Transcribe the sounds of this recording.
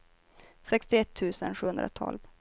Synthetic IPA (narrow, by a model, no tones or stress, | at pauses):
sɛkst̪ɪɛt̪ʰːʉ̟ːsənɧʉːɵnd̪ɾa̰t̪ʰɔ̰lv